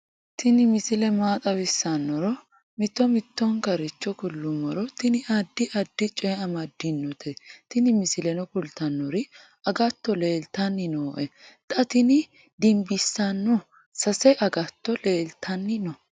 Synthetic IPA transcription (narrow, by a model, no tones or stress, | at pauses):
t̪ʰɪnɪmɪsɪlɛmaːt̪ʼɐbɪsːɐnːɔɾɔ | mɪt̪ːɔmɪt̪ːɔŋkɐɾɪt͡ʃːɔkʊlːʊmɔɾɔt̪ɪnɪʔɐd̪ːɪʔɐd̪ːɪt͡ʃʼɔjɛɐmɐd̪ːɪnːɔt̪ɛt̪ɪnɪmɪsɪlɛnɔkʊlt̪ɐnːɔɾɪ | ɐɡɐt̪ːɔle̞ːlt̪ɐnːɪnoːʔɛt̪ʼɐt̪ɪnɪ | d̪ɪmbɪsːɐnːɔ | sɐsɛʔɐɡɐt̪ːɔleːlt̪ʰɐnːɪnɔ